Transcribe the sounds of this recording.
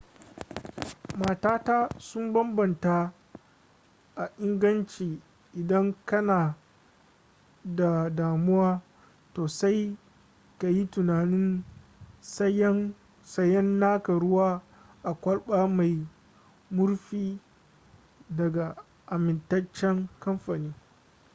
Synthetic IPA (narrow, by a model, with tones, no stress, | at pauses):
maː˨taː˦ta˦sʊ˦mbɐ˦mbɐ˨nta˦ | ʔa˨ʔɪ˦ŋɡɐ˦nt͡ʃiː˨ | ʔɪ˨dɐ˦ŋkɐ˦naː˨ | da˨daː˨mʊ˦waː˦ | toː˨sa˦j | ka˨ji˦tʊ˨naː˨nɪ˦n | sɐ˦jɐ˦n | sɐ˦jːɐ˦nːaː˦kɐ˨ɽʊ˦waː˦ | ʔa˨kʷɐ˦lɓaː˦ma˨j | mʊ˦ɾɸiː˦ | dɐ˨ɡa˨ | ʔa˨mɪ˨ntɐ˦t͡ʃːɛ˦ŋkɐ˦mɸaː˨niː˦